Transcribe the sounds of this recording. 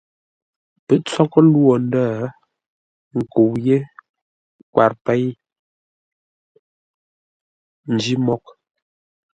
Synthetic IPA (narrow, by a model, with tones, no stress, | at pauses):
pɛ˨t͡sɔ˦kɔ˦lwɔ˨n̩˦daː˦˨ | ŋ̩˨ko˨wje˦ | kwa˨ɾpɛ˦j | n̩˨d͡ʒi˦mɔ˨k̚